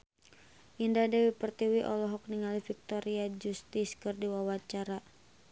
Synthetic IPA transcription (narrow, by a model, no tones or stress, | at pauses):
ʔindadɛwipərt̪iwiʔɔlɔɦɔk̚niŋalifik̚t̪ɔɾiad͡ʒust̪iskɨrdiwawat͡ʃaɾa